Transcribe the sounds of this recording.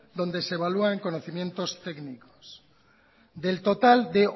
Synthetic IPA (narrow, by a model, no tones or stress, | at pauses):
d̪o̞nd̪e̞seβaluaŋko̞noθimje̞nt̪o̞st̪e̞kniko̥s | d̪e̞lt̪o̞t̪ald̪e̞